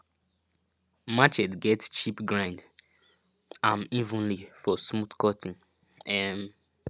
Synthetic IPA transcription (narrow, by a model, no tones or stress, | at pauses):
mat͡ʃɛtɡɛtt͡ʃipɡɹãɪ̃nd | ãmivũnlifɔsmuθkɔtĩn | ɛm